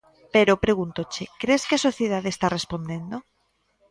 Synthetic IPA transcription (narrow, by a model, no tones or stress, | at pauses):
peɾopɾeɣ̞unt̪ot͡ʃekɾeskeasoθjeð̞aðest̪arespond̪end̪o